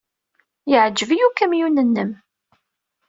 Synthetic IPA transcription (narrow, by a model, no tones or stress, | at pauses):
jəʕəd͡ʒːəvijukæmjunːənːəm